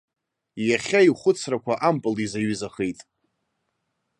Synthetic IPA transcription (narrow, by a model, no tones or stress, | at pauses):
jaχʲaiχʷʊt͡sʰrakʷʰaʔampʼɨlizaɥʏzaχejtʼ